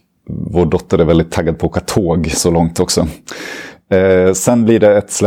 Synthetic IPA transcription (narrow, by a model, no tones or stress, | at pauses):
voːɖɔt̪ːəɾæɾvɛld̪ɪt̪ʰːaɡːad̪̚pʰɔoːkat̪ʰoːɡsɔlɔŋt̪ɔksɔ | sɛnːblɪɖɛːt̪sl